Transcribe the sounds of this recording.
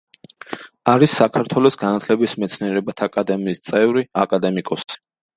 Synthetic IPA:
aɾisːakʰaɾt̪ʰwɛlɔsɡanat̪ʰlɛbismɛt̪sʰniɛɾɛbat̪ʰakʼad̪ɛmiːst̪sʼɛvɾiakʼad̪ɛmikʼɔsi̥

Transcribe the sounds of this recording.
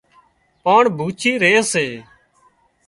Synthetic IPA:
paːɳbʱuːt͡ʃʰiːɾeːseː

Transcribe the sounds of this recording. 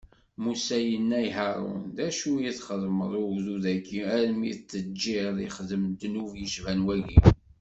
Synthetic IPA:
musæjənːæjɦæɾˤṵnðæʃujiθχəðˤməðˤʊɡðuðækːiæɾmit͡sːəd͡ʒːiðˤiχəðəmd̪nuvjəʃvænwæʝḭ

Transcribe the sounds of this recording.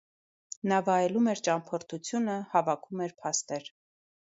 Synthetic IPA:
nɑvɑjɛlumɛɾt͡ʃɑmpʰɔɾt̪ʰut͡sʰjunəhɑvɑkʰumɛɾpʰɑst̪ɛɾ

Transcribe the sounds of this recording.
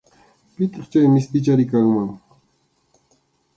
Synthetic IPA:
pɪt̪ɑχt͡ʃajmɪst̪ɪt͡ʃaɾɪkaŋmaŋ

